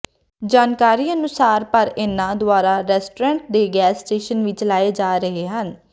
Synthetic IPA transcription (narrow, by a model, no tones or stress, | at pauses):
d͡ʒaːnkaːɾiːənʊsaːɾpəɾɪnãːd̪ʊaːɾaːɾɛːsʈoɾɛ̃ːɳʈ̚d̪eːɡɛːsʈeːʃənʋɪt͡ʃlaːeːd͡ʒaːɾəɦeːɦən